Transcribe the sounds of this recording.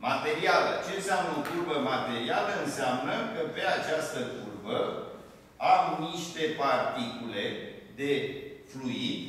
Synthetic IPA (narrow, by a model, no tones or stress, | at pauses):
mat̪e̞ɾialə̰t͡ʃe̞nseamnokurbəmat̪e̞ɾialəɨnseamnəkəpe̞at͡ʃast̪əkurbə | amniʃt̪e̞part̪ikule̞d̪e̞fluid̪ʲ